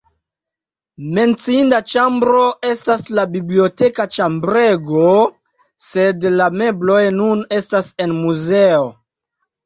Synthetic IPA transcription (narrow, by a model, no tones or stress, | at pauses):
me̞nt͡siindat͡ʃambɾoe̞staslabiblio̞te̞kat͡ʃambɾe̞ɡo | se̞dlame̞blo̞jnune̞stase̞nmuze̞o